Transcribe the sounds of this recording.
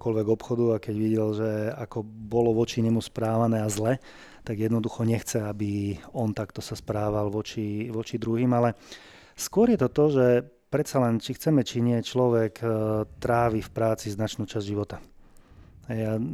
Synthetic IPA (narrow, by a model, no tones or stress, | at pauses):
kɔlʋɛɡɔpxɔd̪uakɛɟʋiɟɛlʒɛakɔbɔlɔʋɔt͡ʃiɲɛmuspɾaːʋanɛːazlɛ | t̪aɡjɛd̪nɔd̪uxɔɲɛxt͡sɛabiɔnt̪akt̪ɔsaspɾaːʋalʋɔt͡ʃiʋɔt͡ʃid̪ɾuɦiːmalɛ | skwʊɔɾjɛt̪ɔt̪ɔʒɛ | pɾɛt̪t͡salɛnt͡ʃixt͡sɛmɛt͡ʃiɲɪɛt͡ʃlɔʋɛkt̪ɾaːʋifpɾaːt͡siznat͡ʃnuːt͡ʃazʒiʋɔt̪a | ɦɛja